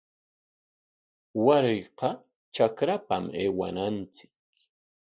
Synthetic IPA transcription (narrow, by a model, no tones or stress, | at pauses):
waɾɪjqɑ | t͡ʃakɾapa̰meːwa̰nant͡sɪ̥k̚